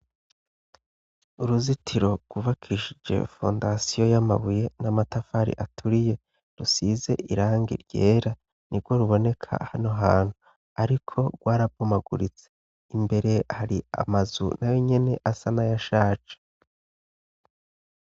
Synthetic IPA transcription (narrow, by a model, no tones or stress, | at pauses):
uɾuzitʰiɾo̞ɡ̥wuβakʰiiʃid͡ʒe̞̰fo̞̰ːndasijo̞jama̰βuje̞namatafaɾḭʔatʰuɾije̞ | ɾusize̞ʔiɾaːŋɡḭɾɟe̞ːɾa | niɾɡo̞ɾuβo̞ne̞kʰa̰hanoɦaːn̥hu | aɾikʰo̞ɾɡwaːɾab̚ɡomaɡuɾit͡se̥ | imbe̞ɾe̞haɾia̰mazṵnajo̞ɲe̞ne̞ʔasanajaʃaːt͡ʃe̥